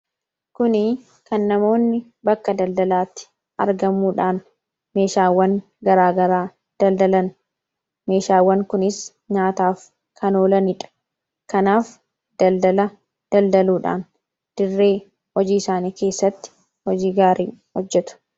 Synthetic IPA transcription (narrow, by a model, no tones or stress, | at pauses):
kʊnɪ | kɐnːɐmo̞ːnːɪ | bɐkːɐd̪ɐld̪ɐlaːt̪ːɪ̥ | ʔɐɾɡɐmːuːᶑaːn | me̞ːʃaːwːɐŋ | ɡɐɾaːɡɐɾaː | d̪̥ɐld̪ɐlɐn | me̞ːʃaːwːɐŋkʊnɪs | ɲaːt̪aːf | kʰɐnoːlɐnɪᶑɐ̥ | kɐnaːf | d̪̥ɐld̪ɐlɐ | d̪̥ɐld̪ɐluːᶑa̰ːn | d̪̥ɪrːe̞ː | hɔd͡ʒiːɪsaːniːke̞ːsːɐt̪ːɪ̥ | hɔd͡ʒiːɡaːɾiːhɔd͡ʒːɛt̪ʊ̥